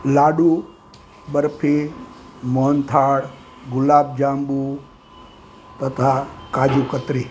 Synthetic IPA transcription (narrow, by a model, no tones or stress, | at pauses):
laːɖuː | bəɾpʰi | moːnt̪ʰaːɽ | ɡʊlaːb̚d͡ʒaːmbuː | t̪ɐt̪ʰakaːd͡ʒuːkət̪ɾiː